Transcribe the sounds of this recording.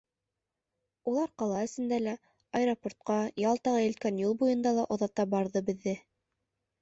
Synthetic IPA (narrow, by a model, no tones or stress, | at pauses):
ulˠɑɾqɑlˠɑɘ̆sɘ̆nd̪ælæ | ɑjɾopoɾt̪̚qɑjɑlˠt̪ɑʁɑjɘ̆lt̪̚kænjulˠbujɤ̆nd̪ɑlˠɑʔŏðɑt̪ɑbɑɾðɤbɘ̆ðːɘ